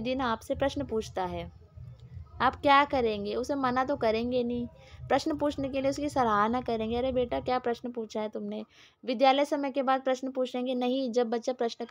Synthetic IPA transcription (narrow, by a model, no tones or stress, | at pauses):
d̪ɪnaːpsepɾɐʃnəpuːt͡ʃʰt̪aɦɛː | aːpkjaːkɐɾẽːŋɡeʊsemanat̪okɐɾẽːŋɡenɐɦĩ | pɾɐʃnəpuːt͡ʃʰnekelieʊskisɐlaːnakɐɾẽːŋɡeɐɾeɦbeːʈakjaːpɾɐʃnəpuːt͡ʃʰaɦɛt̪ʊmneː | ʋɪd̪jaːləjsɐməjkebaːd̪̚pɾɐʃnpuːt͡ʃʰẽːŋɡenɐɦĩd͡ʒɐbːɐtːʃapɾɐʃnk